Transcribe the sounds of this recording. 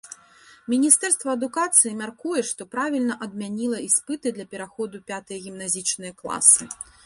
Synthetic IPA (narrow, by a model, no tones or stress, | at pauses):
mʲinʲist̪ɛrst̪vɐɐd̪ukat̪sɨjimʲarkujɛʂt̪ɔpɾavʲilʲnɐʔɐd̪̚mʲanʲilˠɐispɨt̪ɨd̪lʲɐpʲɛɾaxɔd̪upʲat̪ɨjɐɣʲimnazʲit͡ʂnɨjɐklˠa̰sɨ